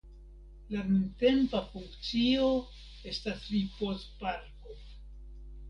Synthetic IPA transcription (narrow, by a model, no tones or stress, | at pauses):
lanunte̞mpafuŋkt͡sio̞ | e̞stasɾipo̞stpaɾko̞